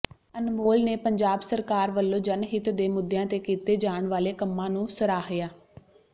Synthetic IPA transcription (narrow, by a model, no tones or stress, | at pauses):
ənmoːlneːpəɲd͡ʒaːbsəɾkaːɾʋəlːõːd͡ʒənɦɪt̪d̪eːmʊd̪ːjãːt̪eːkiːt̪eːd͡ʒaːɳʋaːleːkəmːãːnũːsəɾaːɦɪjaː